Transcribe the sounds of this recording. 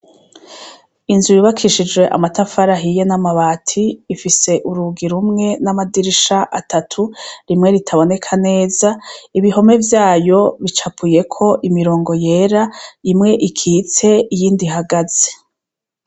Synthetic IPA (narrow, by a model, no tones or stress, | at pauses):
inzujuβakʰiʃid͡ʒwe̞ʔa̰matafaɾaɦije̞namaβaːtʰiːfise̞ʔuɾuɡiɾumŋe̞namadiɾiʃaʔatʰatʰuɾimŋe̞ɾitʰaβo̞ne̞kʰane̞ːzaiβiɦo̞me̞vjaːjo̞βit͡ʃapʰuje̞kʰo̞ʔimiɾo̞ːŋɡo̞je̞ːɾaimŋe̞ʔikʰit͡se̞ijiːndiɦaɡaz̥e̥